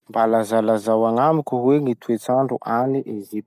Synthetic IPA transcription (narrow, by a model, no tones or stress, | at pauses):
mbalazalazawaŋamikʲuɦweŋit̪ʰuet͡saɳɖ͡ʐuʔaniʔezip̪̚